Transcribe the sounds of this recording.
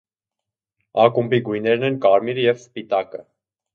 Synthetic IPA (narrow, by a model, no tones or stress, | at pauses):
ɑkumpiɡujnɛɾnɛnkɑɾmiɾjɛvspit̪ɑkə